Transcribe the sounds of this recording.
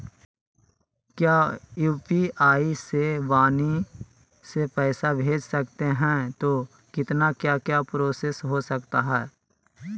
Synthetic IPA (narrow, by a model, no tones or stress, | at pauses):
kjaːjuːpiaːisebaːni | sepɛːsabʱeːd͡ʒsɐkt̪eɦɛ̃t̪o | kɪt̪nakjaːkjapɾoːsesɦosɐkt̪aɦɛː